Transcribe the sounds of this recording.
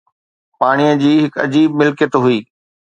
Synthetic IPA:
paːɽ̃ijəd͡ʑiːɦɪkɐ̰d͡ʑiːbmɪlkjət̪ɦʊiː

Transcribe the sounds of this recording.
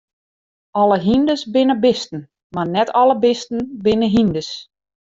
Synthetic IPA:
ʔɔləɦindəsbɪnəbɪstən̩ | marnɛtʰɔləbɪstn̩bɪnəɦindəs

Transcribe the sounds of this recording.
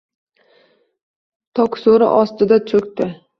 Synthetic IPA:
t̪ʰɒksoɾɪ̰ʔɒst̪ɪd̪at͡ʃʰɵkʲt̪ɪ

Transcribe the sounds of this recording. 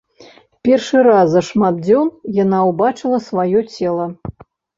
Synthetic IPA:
pʲɛrʂɨɾazɐʂmad̪̚d͡zʲɔnjanawbat͡ʂɨlˠɐsvajɔt͡sʲɛlˠɐ

